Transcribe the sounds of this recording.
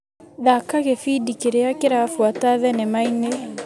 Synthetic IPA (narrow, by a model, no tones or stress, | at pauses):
ðakaɣefidikeɾeakeɾafwataðɛnemaine